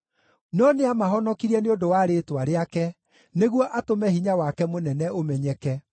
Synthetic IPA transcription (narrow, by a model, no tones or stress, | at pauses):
nɔneamaɦɔnɔkiɾɛneodowaːɾeːtwaɾeakɛ | neɣwɔʔatomɛhiɲawakɛmonɛnɛomɛɲɛkɛ